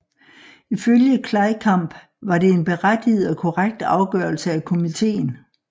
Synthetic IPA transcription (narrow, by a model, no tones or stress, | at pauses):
iføljəkʰlɑ̈ɪkʰɑ̈m̰b̥ | ʋɑ̈ɾe̝enb̥e̝ʁad̥ið̩ˠɒ̽kʰoʁaɡ̥̚d̥ɑ̈ʊɡ̥œɐlsəækʰo̝mit͡sʰe̝̰ːn̩